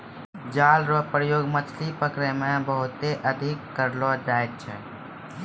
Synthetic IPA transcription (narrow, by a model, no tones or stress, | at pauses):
d͡ʒaːlɾɔpɾəjoːɡmət̪ʰlipəkɾemẽbəɦʊt̪eʔəd̪ʱɪkːəɾlɔd͡ʒ̪aːet̪̚t͡ʃʰɛ̰